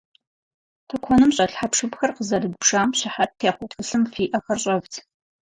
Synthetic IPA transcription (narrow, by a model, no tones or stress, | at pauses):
tʰɨkʷʰɔnɨmɕʼɐɬħapʂɨpxɐrqəzɐrɨdpʂaːmɕɪħat̚tʰːeːχʷɔtxɨɬɨmfiːʔɐxɐrɕʼɐvtʰ